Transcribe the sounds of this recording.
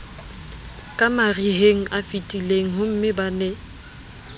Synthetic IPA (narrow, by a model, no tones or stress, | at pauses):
kʼamariɦeŋ̩ʔafitʼileŋ̩ɦʊm̩mɪbanɛ